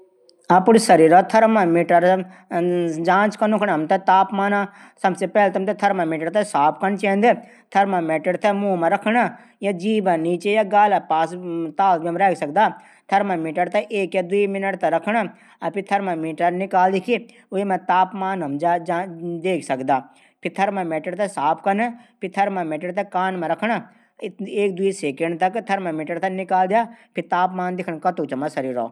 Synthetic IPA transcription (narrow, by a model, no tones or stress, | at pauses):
ɐpʊɽsɐɾiːɾɔt̪ʰɐɾmãmiːʈəɾ | d͡ʒãːt͡ʃkɐnukʰɽaɐmt̪ɐt̪aːpmaːnã | sɐbsepɛːlt̪ɐmt̪ɐt̪ʰɐɾmãmiːʈəɽt̪ʰɐsaːp̚ʰkɐnt͡ʃẽːnd̪ɨ | t̪ʰɐɾmãmeːʈəɽt̪ʰɐmũːmɐ̃ɾɐkʰɳa | jad͡ʒiːbãniːt͡ʃejaɡaːlapaːst̪aːlbmɾɛːkʰsɐk̚d̪aː | t̪ʰɐɾmãmiːʈəɾt̪ɐʔeːkjad̪uimɪnəʈt̪ɐɾɐkʰɳa | ɐpʰit̪ʰɐɾmãmiːʈəɾnɪkaːld̪ikʰi | ʊemãt̪aːpmaːnɐmd͡ʒaad̪eːkʰsɐkd̪aː | pʰɪɾt̪ʰɐɾmãmɛːʈəɽt̪ɐsaːpʰkɐnpʰit̪ʰɐɾmãmɛːʈəɽt̪ɐkaːnmãɾɐkʰɳa | eːk̚d̪ʊiseːkẽɳɖt̪ɐkt̪ʰɐɾmãmɪʈəɽt̪ɐnɪkaːld̪ijaːpʰɪɾt̪aːpmaːnd̪ɪkʰəɳ̃kɐt̪ut͡ʃɐmɐ̃sɐɾiːɾo̰ː